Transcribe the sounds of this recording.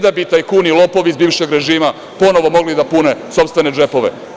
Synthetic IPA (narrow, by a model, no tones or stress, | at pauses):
d̪abit̪aːjkuːnilˠo̞po̞ʋizbiːʋʃe̞ɡɾe̞ʒiːma | po̞no̞ʋo̞mo̞ɡlid̪apune̞so̞pst̪ʋe̞ned͡ʒe̞po̞ʋḛ